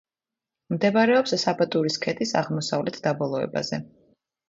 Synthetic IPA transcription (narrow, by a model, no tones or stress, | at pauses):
md̪ɛbaɾɛɔpssabat̪ʼuɾiskʰɛt̪ʼisaʁmɔsavlɛt̪ʰd̪abɔlˠɔɛ̰ba̰zɛ